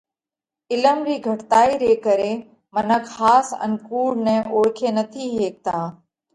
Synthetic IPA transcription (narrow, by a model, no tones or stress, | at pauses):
ɪləmɾiːɡʱəʈt̪aːiːɾeːkəɾeː | mənəkhaːsə̰nkuːɽnɛ̃ːʔoːɽkʰeːnət̪ʰiːɦeːk̚t̪ʰaː